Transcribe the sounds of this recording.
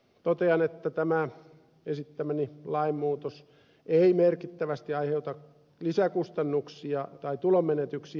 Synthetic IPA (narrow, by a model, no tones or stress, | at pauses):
t̪ot̪eɑnet̪ːæt̪æmæ | esit̪ːæmænilɑimːuːt̪os | eimerkit̪ːæʋæst̪iɑiheut̪ɑk | lisækust̪ɑnːuksiɑt̪ɑit̪ulommenet̪yksi